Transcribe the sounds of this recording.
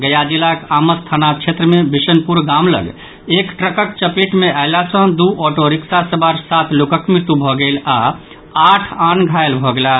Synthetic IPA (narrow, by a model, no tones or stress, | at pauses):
ɡəjad͡ʒilakaməst̪ʰanat͡ʃʰet̪ɾəmebisənpuɾɡamlə̰ɡ | ekʈɾəkəkt͡ʃəpeʈmeaɪlasə̃d̪uʔɔʈoɾiksasəbaɾsat̪ʰlokəkmɪɾt̪ubʱɔɡəla | aʈʰanɡʱaelbʱɔɡela